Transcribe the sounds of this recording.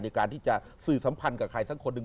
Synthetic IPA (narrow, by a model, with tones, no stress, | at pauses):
na˧jkaː˧nt̪ʰiː˥˩t͡ɕa˨˩ | sɯː˨˩sa˩˦mpʰa˧nka˨˩kʰɾa˧jsa˦˥˩kʰo˧nːɯ˨˧ŋ